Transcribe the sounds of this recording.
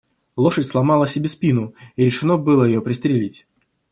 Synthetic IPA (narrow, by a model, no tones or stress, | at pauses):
lˠo̞ʂətʲslˠɐmɑlˠəsʲɪbʲespʲinʊiɾʲɪʂɨno̞bɨlˠəjɪjo̞pɾʲɪst̪ɾʲɪlʲitʲ